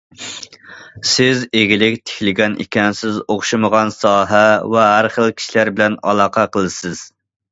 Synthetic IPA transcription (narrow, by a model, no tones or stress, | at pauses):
sɪzeɡʲilɪkʲt̪ʰe̥kʲlɪɡʲɛnʔḭkʲɛnsɪzoχʃɨməʁɑnsɑːɦæwɛɦæɾχəlˠkʲʰi̥ʃilæɾbɪlɛnɑ̰lˠɑːqʰɑqʰəlˠɨsɪz̥